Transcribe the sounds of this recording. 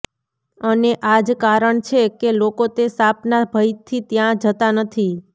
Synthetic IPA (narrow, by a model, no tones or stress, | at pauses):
əneʔad͡ʒkaɾəɳt͡ʃʰekelokot̪esapnabʱəjt̪ʰːit̪jãd͡ʒət̪anət̪ʰi